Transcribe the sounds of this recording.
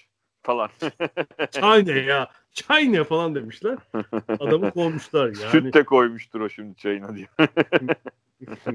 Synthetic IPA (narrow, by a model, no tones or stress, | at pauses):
falˠan | t͡ʃʰajnɛjaː | t͡ʃʰajnafalˠand̪e̞miʃlʲæɾ̥ad̪amɯkʰo̞lˠmuʃlˠaɾjsaːynɪɛkʰo̞jmuʃt̪ʰuɾoʃimd̪ɪt͡ʃʰajinad̪ija